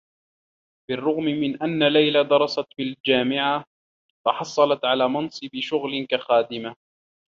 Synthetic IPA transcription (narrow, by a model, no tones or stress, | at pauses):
bɪrˤːʊɣmɪmɪnʔanːalajlad̪ɑɾˤɑsɑt̪bɪld͡ʒaːmɪʕa | fɑħɑsˤːɑlɑt̪ʕalaːmɑnsˤɨbɪʃʊɣlɪnkaxaːd̪ɪma